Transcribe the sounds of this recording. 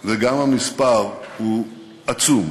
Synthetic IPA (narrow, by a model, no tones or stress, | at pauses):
veɡamhamispaʁhu | at͡sum